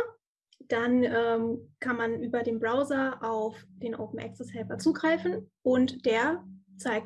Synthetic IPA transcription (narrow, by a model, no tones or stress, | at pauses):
d̥anʔɛːmkʰanmanʔyːbɐdeːmbʁaʊzɐʔaʊfd̥eːnʔo̰ʊpn̩ʔɛ̰ksɛshɛlpɐt͡suːɡʁaɪfn̩ʔʊntd̥eːɐt͡saɪk̚